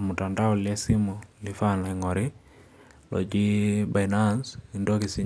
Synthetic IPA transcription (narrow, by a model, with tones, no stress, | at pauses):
mu˨ta˨nda˦ɔ˨lɛ˦si˦mu˨li˨fa˦na˨ŋɔ˨ɾɪ˦ | lɔ̰˨d͡ʒi˦ba˨inansi˨ndo˦ki˨si˦